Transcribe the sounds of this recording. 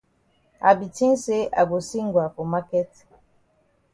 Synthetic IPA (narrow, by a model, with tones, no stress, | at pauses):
a˨bi˨ti˦n˦se˦ʔa˨bo˨si˦ŋɡwa˨ko˨ma˦kɛ˦t